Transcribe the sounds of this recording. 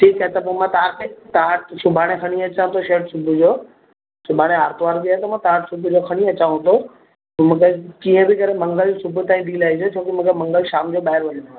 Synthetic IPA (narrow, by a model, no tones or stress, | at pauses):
ʈʰiːkɦet̪ɐpomãt̪aːɾkʰet̪aːʈsʊbʱaːɽ̃ekʰɐɽ̃iɐt͡ɕãt̪ʰoʃeːʈsʊbʱʊd͡ʑoː | sʊbʱaːɽ̃eɦaːɾt̪ʊʋaːɾk̪iaːet̪ɐmãt̪aːʈsʊbʱʊd͡ʑokʰɐɽ̃iɐt͡ɕãːõt̪o | mũːkʰekiːə̃bɪkɐɾemɐ̃ŋɡəlsʊbʱʊt̪ãːĩd̪iːlaːɦid͡ʑot͡ɕʰoːkimũːkʰemɐ̃ŋɡəlʃaːmd͡ʑoɓaːɦɪɾʋɐɲ̃